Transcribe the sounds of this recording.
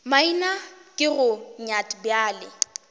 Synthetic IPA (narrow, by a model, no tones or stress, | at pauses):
mainakʼɪɣʊɲatʼbjaːlɪ